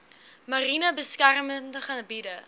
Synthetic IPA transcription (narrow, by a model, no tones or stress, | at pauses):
mɐrinəbəskærməndəχɐnbidə